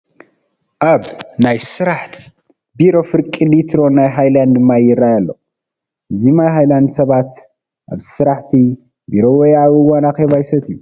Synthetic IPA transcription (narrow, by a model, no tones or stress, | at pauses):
ʔaβnajsɨɾaħt̪ʰi | biɾo̞fɨɾkʼilit̪ʰɾo̞najɦajland̪ɨmːajɪrːajalːo̞̰ | ɨzimajɦajland̪sɐβat̪ | ʔa̰βsɨɾaħt̪ʰi | biɾo̞wejawiwanaxeβajsɐt̪ʰɨju